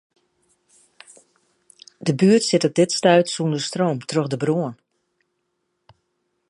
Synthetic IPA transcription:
dəbyətsɪtɔp̚dɪtstœɥtsundəstroːmtrøxdəbruən

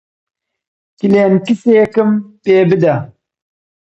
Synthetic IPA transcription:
kileːnkiseːkɨmpeːbɨd̪a

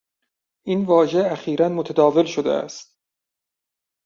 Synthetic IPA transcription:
ʔinvɒːʒe̞æxiːɾænmot̪ʰæd̪ɒːve̞lʃod̪ḛæ̰st̪̚

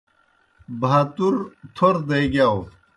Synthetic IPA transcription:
bʱaːt̪uɾt̪ʰoɾd̪ejɡaw

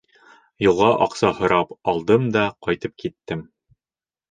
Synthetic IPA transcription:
jŭlˠʁɑʔɑqsɑhŏɾɑpɑlˠd̪ɤmd̪ɑqɑjt̪ɤp̚kit̪ːɘm

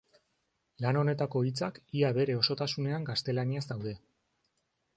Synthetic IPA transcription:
lano̞ne̞t̪ako̞it͡sakiaβe̞ɾe̞o̞so̞t̪asune̞aŋɡast̪e̞laniazd̪awðe̞

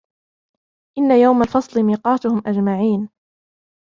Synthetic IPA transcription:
ʔɪnːajawmalfɑsˤlɨmiːqɑːt̪ʊhʊmʔad͡ʒmaʕiːn

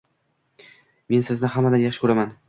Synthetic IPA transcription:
me̞nsɪznɪhamːad̪anjaχʃɪ̥kʰɵɾaman

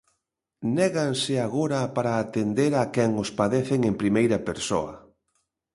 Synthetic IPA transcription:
nɛɣaŋsɪaɣoɾɐpaɾaːt̪end̪eɾakɛŋʊspaðeθeŋempɾimejɾɐpeɾso̰ɐ̰

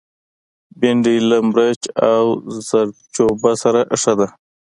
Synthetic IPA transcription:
beɳɖilamɾat͡ʃawz̥aɾt͡ʃobasaɾaʔʂad̪a

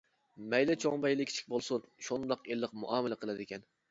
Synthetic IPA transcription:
mɛjlɛt͡ʃʰoŋbɛjlˠɪkʲʰi̥t͡ʃʰi̥kʲbolˠsunʃund̪ɑqelˠːəqmuʔɑːmɪlɛqʰəlˠæd̪ɪkʲɛn

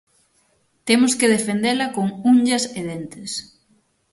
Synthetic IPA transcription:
t̪emʊskeð̞efend̪elɐkoŋuɲʎɐseðent̪ɪs

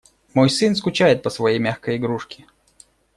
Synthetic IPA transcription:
mojsɨnskʊt͡ɕajɪt̪̚pəsvɐjejmʲaxkəjɪɡɾuʂkʲɪ̥

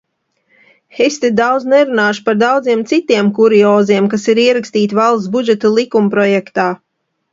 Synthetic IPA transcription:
xesʲt̪ed̪awd̪znɛɾunaːʃpaɾd̪awd̪ziɛmt̪sit̪iɛmkuɾiɔːziɛmkasiɾiɛɾakst̪iːt̪ʲvalˠt̪sbud͡ʒɛt̪alˠikumpɾɔjɛkt̪aː

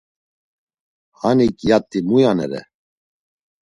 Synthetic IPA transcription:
hanikʼjat̪ʼːimujanɛɾɛ̰

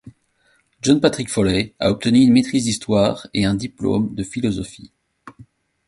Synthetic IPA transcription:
ʒɔ̃npat̪χikfɔlɛa̰ɔp̚t̪ənyːnmet̪χizd̪ist̪waʁeɛ̃d̪iplo̰md̪əfilɔzɔfḭ

